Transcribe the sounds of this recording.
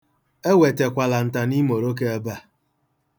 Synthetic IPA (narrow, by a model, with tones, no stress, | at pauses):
e˦we˨te˨kʷa˨la˨n̩˨ta˨ni˦mo˨ɾo˦k̬e˦a˦ba˦˨